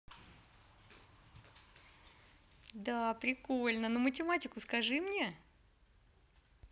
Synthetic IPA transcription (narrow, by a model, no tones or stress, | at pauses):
d̪apɾʲɪko̞lʲnənomətʲɪmatʲɪkʊskɐʐɨmnʲe̞